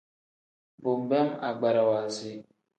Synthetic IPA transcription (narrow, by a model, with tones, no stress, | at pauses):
bo˨m˨bɛ˦ma˨ɡ͡ba˨ɾa˨wa˨zi˦